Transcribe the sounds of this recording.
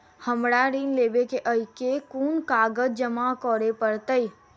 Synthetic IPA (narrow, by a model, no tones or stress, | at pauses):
həmɽaɾiːnleːbekeʔəjkekuːnkaːɡəd͡ʒəmakɔːɽepəɾt̪əj